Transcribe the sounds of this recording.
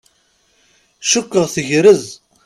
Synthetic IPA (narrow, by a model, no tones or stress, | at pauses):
ʃukːəʁθəʝɾəz